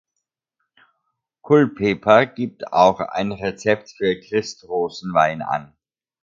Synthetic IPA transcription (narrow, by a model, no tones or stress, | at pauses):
kʰʊlpʰːeːpʰɐɡ̥iːp̚tʰa̰ʊxa̰ɪnʁet͡sɛp̚tfyːɐkʁ̥ɪstʁoːzn̩vaɪna̰n